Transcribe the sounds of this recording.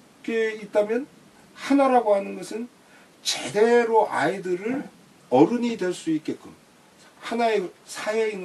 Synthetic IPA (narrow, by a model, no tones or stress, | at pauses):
k͈eit̚t͈amjʌn | hanaɾaɡoɦanɯnɡʌsʰɯn | t͡ɕede̞ɾoʔaidɯɾɯɾ | ʌɾɯɲidwe̞ɭs͈uit̚k͈e̞k͈un | hanaesʰaɦeiŋ